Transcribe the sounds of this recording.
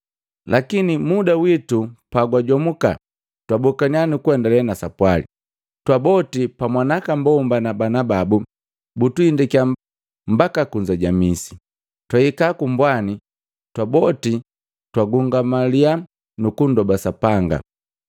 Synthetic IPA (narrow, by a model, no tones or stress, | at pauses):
lakinimudawitupaɡwaɟɔmuka̰ | twabɔkaɲianukwɛndalɛnasapwalḭ | twabɔtipamwanakambɔmbanabanababu | butuindikia | mbakakuɲd͡ʒaɟamisi̥ | twaikakumbwani | twabɔti | twaɡuŋɡamalia | nukundɔbasapaŋɡa̰